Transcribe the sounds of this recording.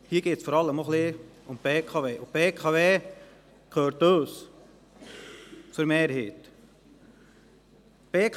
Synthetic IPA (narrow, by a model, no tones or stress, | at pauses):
hiːɾɡ̥eːtsfɔɾɑlːəmoχleʊmpeːkʰɑveːʊpeːkʰɑveː | kʰøːɾtøːs | fəɾmeːɾhiːt | peːkʰ